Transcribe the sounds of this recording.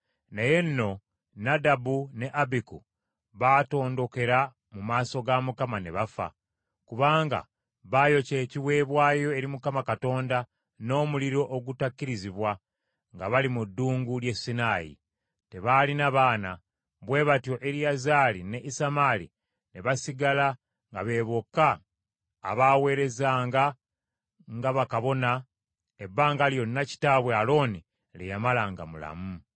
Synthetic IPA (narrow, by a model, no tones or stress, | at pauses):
neje̞nːo̞ | nadabune̞ʔabiku | βato̞ːndo̞ke̞ɾa | mumaːso̞ɡamukamane̞βafa̰ | kuβaːŋɡa̰ | βaːjo̞ce̞ːciwe̞ːβwaːjo̞e̞ɾimukamakato̞ːnda | no̞ːmuliɾo̞ʔoɡutakːiɾiziβwa | ŋɡaβalimudːuːŋɡulje̞sːinaːjḭ | te̞βalinaβaːna | βwe̞ːβatjo̞ʔeɾijazaːline̞ʔisamaːlḭ | neβasiɡala | ŋɡaβe̞ːβokːa̰ː | βawe̞ːɾe̞zaːŋɡa | ŋɡaβakaβo̞na | ebːaːŋɡaljo̞nːaci̥taβwe̞alo̞ːni | lejamalaŋɡa̰mula̰mu